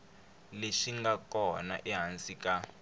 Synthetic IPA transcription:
leʃiŋɡakɔna̰ʔiɦansika

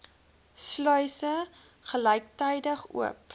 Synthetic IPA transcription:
slœɥsə | χəlɛjk̚tɛjdəχṵəp

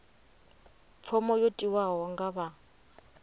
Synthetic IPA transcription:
p̪fʰɔmɔjotʼiwaɦɔŋɡaβa

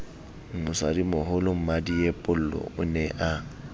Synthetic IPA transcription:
ŋ̩ʊsadimʊhʊlʊm̩madiepʼʊl̩lɔ̰ʊnɛʔa

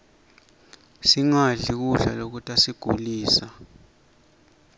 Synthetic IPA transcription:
siŋaɮik̬uɮa̰lok̬utʼasiɡ̥ʱṵliːsa

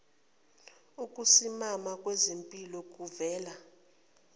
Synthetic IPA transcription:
ukʼusimamakʼwezempʼilɔk̬ʼuvɛːla

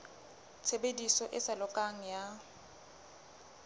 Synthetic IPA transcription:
t͡sʰebedisɔʔɪsalɔkʼaŋ̩ja

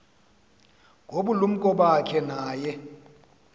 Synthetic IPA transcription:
ŋʱoɓulum̩kʼɔɓakʰɛnaːjɛ

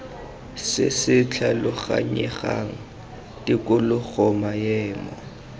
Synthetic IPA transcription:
sɪsɪt͡ɬʰalʊχa̰ɲɛχaŋ̩ | tʼɪkʼʊlʊk͡xɔmajɛːmɔ

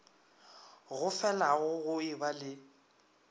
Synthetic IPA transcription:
ɣʊfɛlaɣʊɣʊɪbalɪ

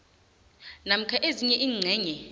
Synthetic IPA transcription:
nam̩kʰaʔeziɲɛʔiːŋ͡ǀʱɛːɲɛ

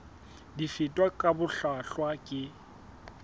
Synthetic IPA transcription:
difɪtʼwakʼabʊɬaɬwakʼɪ

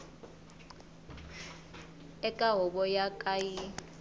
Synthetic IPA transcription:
ɛkʼaɦɔɓɔjakʼaji

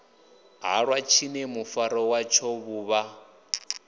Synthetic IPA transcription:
ɦa̰ɺwat͡ʃʰinɛmufaɾɔwat͡ʃʰɔβuːβa

